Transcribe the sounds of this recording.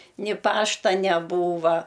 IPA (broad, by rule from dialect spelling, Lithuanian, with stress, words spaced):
nʲɪ ˈpɑːʃtɐ nʲɛˈbuːʋɐ